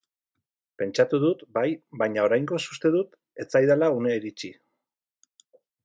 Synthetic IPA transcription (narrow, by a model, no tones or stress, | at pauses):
pe̞nt͡ʃat̪uðut̪bajbajɲao̞ɾajŋɡo̞su̥st̪e̞ðut̪ | e̞t͡sajðalauneiɾit͡ʃi